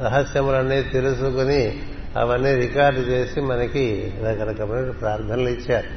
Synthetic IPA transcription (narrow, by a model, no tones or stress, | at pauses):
ɾɐɦɐsjɐmulɐnːit̪elusukuni | ɐ̰ʋɐnːiɾikaːɾɖt͡ʃeːsimɐnɐki | ɐɡɐnɐkɐmɐpɾaːɾd̪ʰʱɐnɐlɐit͡ʃːaːɾu